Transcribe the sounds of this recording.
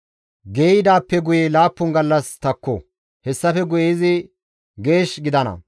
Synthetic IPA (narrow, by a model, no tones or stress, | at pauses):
ɡeːɪd̪aːpːɛɡʊjelaːpːʊnɡɐlːɐst̪ɐkːɔ̰ | hɛsːɐfɛɡʊjezɪ | ɡe̞ːʃɡɪd̪ɐnɐ̰